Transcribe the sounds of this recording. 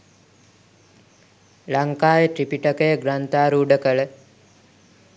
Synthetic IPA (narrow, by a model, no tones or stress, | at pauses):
laŋkaːjəʈɾipiʈəkəjəɡɾant̪aːɾuːɖəkəɭə